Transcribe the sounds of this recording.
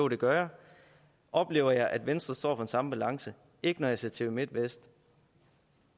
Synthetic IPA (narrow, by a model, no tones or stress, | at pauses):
od̥e̝ɡ̥ɶɐ | ʔɒ̽b̥le̝ːʊɐjɑ̈ɪʔæd̥ʋensd̥ʁɐsd̥ɒ̰ːfɒ̽e̝nsɑ̈məb̥ælɑ̈ŋsə | e̝ɡ̥ənɒjɑ̈se̝ɐ̰t͡sʰe̝ʋimed̥ʋesd̥